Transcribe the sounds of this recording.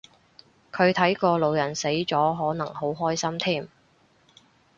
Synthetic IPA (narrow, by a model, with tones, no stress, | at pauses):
kʰɵ˨˧ɥt̪ʰɐ˨˥jkɔː˧lo˨˧wjɐ˨˩nse˨˥jt͡sɔː˨˥ɦɔː˨˥nɐ˨˩ŋho˨˥wɦɔː˥jsɐ˥mt̪ʰiː˥˩m